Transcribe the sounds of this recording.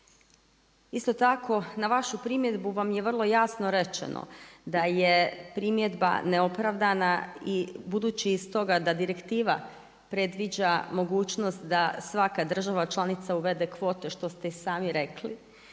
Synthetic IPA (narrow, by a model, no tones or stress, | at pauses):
ist̪o̞t̪akʰo̞naʋaʃupɾimje̞d̪buʋamjeʋr̩lˠo̞jasno̞ɾe̞t͡ʃḛno̰d̪aje̞pɾimje̞d̪ba̰neo̞pɾaʋd̪anaibud̪uːt͡ɕiːst̪o̞ɡad̪ad̪iɾe̞kt̪iːʋa | pɾe̞d̪ʋid͡ʑamo̞ɡuːt͡ʃno̞st̪d̪asʋakad̪r̩ʒaʋat͡ʃlˠanit̪sauʋe̞d̪e̞kʋo̞ːt̪e̞ʃt̪o̞st̪e̞saːmiɾe̞klḭ